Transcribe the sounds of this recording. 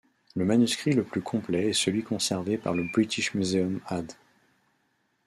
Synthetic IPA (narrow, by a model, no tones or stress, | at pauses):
ləmanyskχiləplykʰɔ̃plɛɛsəlɥikɔ̃sɛʁvepa̰ʁləbʁit̪ʰiʃmyzeɔmad̪